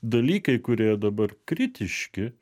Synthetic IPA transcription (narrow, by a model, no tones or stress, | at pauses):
d̪ɐlʲiːkɐɪkʊɾʲeːjd̪ɐbɐrkɾʲɪt̪ʲɪʃʲkʲɪ